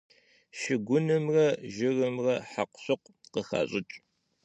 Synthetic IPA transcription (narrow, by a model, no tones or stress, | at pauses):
ʃɪɡʷʊnɨmrɐʒɪrɨmrɐħaqʷɕʊqʷ | qəxa̰ːɕʼɪt͡ʃʼ